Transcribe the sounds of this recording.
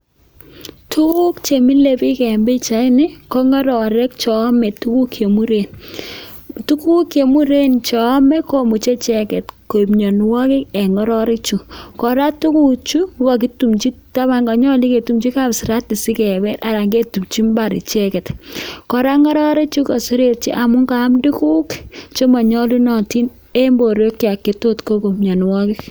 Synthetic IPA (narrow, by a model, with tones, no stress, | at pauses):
tu˦ku˦kt͡ʃe˨mi˦le˨pi˦kɛ˨mbi˦t͡ʃa˨ɪ˦nɪ˦kɔ˦ŋɔ˦ɾɔ˨ɾɛ˦k̚t͡ʃɔ˨˦mɛ˨tu˦ku˦kʰje˨mu˦ɾe˨n | tu˦ku˦kje˨mu˦ɾe˦nt͡ʃɔ˨˦mɛ˦ko˦mu˨t͡ʃe˦t͡ʃɛ˦kɛ˨tko˨i˨pɲo˨nwɔ˦kɪ˦ɛ˨ŋɔ˦ɾɔ˦ɾe˦t͡ʃu˨kɔ˨ɾa˦tu˦ku˦t͡ʃu˦ka˨k̬i˦tu˨mt͡ʃi˦ta˦βa˦ŋɡa˨ɲɔ˦li˦ke˨tu˨mt͡ʃi˦ka˦˨psɪ˨ɾa˦ti˨si˦kɛ˨bɛ˦ɾa˨ɾa˨ŋɡe˦tu˨pt͡ʃi˦mba˨ɾḭ˨t͡ʃɛ˦kɛ˨tkɔ˨ɾa˦ŋɔ˦ɾɔ˦ɾi˦t͡ʃu˦ka˨su˦ɾe˦t̚t͡ʃḭ˦ʔa˨mʊ˦ŋɡa˨˦mdu˦ku˦kt͡ʃo˦ma˨ɲɔ˦lu˦nɔ˨ti˦n | e˦mbo˨ɾo˦kːja˨kːe˨to˦tko˦ko˨mɲɔ˨nwɔ˦kɪ˦k̚